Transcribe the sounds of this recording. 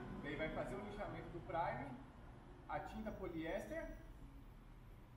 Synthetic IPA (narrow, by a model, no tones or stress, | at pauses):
d̪aijvajfazeɾʊ̃lẽʃamẽnt̪ʊd̪ʊpɾajʊ̃ | at͡ʃĩnd̪ɐpoliɛst̪ɐ